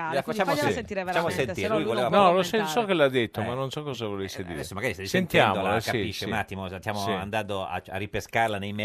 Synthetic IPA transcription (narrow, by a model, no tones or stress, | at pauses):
fat͡ʃːaːmoat͡ʃʃamoseniɾelujvoleavanɔlosesɔkːelad̪ːet̪ːomanːonsɔkːɔzavolesːed̪ḭɾɛsːomaɡaɾist̪ajsent̪jɛaːmd̪olaskːaipiʃːeunat̪ːimosst̪jaːmoand̪and̪oa̰a̰ripeskarlanejmɛ